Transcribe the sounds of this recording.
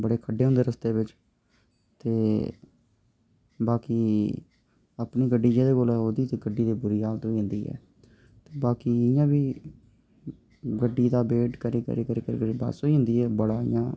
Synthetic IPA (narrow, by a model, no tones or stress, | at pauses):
bəɽeːkʰəɖeːɦnd̪eːɾəst̪eːbɪt͡ʃ | t̪eː | baːkiː | əpniːɡəɖːiːd͡ʒeːd̪eːkolɛːɦoːd̪iːt̪eːɡəɖːiːd̪eːbʊɾiːɦaːlt̪oːiːɦʊ̃nd̪iːɦɛ̰ː | t̪eːbaːkiːɪjãːbiː | ɡəɖːiːd̪aːbeːʈkəɾiːkə̰ɾiːkəɾiːkəɾḭkəɾiːba̰ːsoːiːɦʊ̃nd̪iːɛːbəɽaːɪ̰jãː